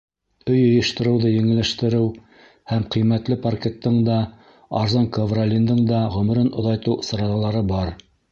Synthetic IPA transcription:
ɵjŏjɤ̆ʃt̪ɤ̆ɾɤ̆wðɤjɘ̆ŋɘ̆lɘ̆ʃt̪ɘ̆ɾɘw | hæmqijmæt̪lɘpɐrkʲet̪ːɤɴd̪ɑ | ɑ̰ɾzɑŋkovralʲind̪ɤɴd̪ɑʁɵ̆m̆ɾɘnŏðɑjt̪ɤw̆sɤ̆ɾɑðɑlˠɑɾɤbɑɾ

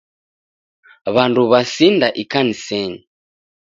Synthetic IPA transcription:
βanduβasindaʔikanisɛɲi

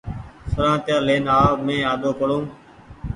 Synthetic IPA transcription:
sʊɾãːt̪jaːleːnaːmẽːaːd̪oːkəɽõː

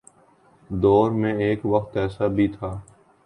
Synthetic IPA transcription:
d̪ɔːɾmẽeːkʋək̚t̪ɛːsabʱit̪ʰaː

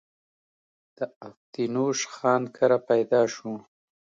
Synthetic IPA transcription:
d̪̥əaft̪inoʃxɑːnkʰaɾapajd̪ɑːʃu

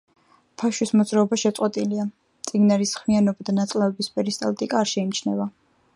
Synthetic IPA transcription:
pʰaʃwismɔd̪zɾaɔbaʃɛt̪sʼɔt̪ʼilia | t̪sʼiɡnaɾisχmianɔbad̪anat̪sʼlavɛbispʼɛɾist̪ʼa̰lt̪ʼikʼaːɾʃɛimt͡ʃʰnɛva

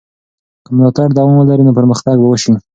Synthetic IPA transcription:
kəmlɑt̪aɽd̪awɑmwəlaɾinopəɾməxt̪aɡbawəʃi

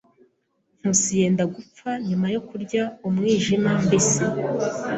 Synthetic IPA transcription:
n̥husije̞ːndaɡup͡faɲumajo̞kuɾɟaumŋiːʒimambese

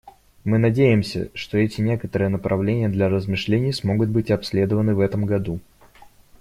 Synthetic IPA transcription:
mɨnɐdʲejɪmsʲə̰ʂt̪o̞ɛtʲɪnʲe̞kət̪əɾɨjənəpɾʔɐvlʲenʲɪjəd̪lʲɐɾəzmɨʂlʲenʲɪjəsmo̞ɡʊt̪̚bɨtʲɐpsʲlʲe̞d̪əvənɨvɛt̪əmɡɐd̪u

